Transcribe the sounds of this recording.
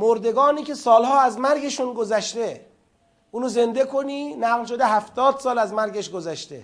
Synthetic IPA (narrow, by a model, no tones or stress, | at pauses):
moɾd̪e̞ɡɒːniːkcʰe̞sɒːlɦɒːæzmæɾɟe̞ʃunɡozæʃt̪e | ʔuːnoze̞nd̪e̞kʰoniːnæɣlʃ̬od̪eɦæft̪ɒːd̪̥sɒːlæzmæɾɟeʃɡozæʃt̪ḛ